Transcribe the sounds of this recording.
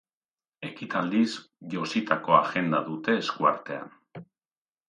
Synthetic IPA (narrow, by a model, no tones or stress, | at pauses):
e̞kit̪ʰald̪is | ʝo̞sit̪ako̞aʝe̞nd̪aðut̪e̞ːskuaɾt̪e̞a̰n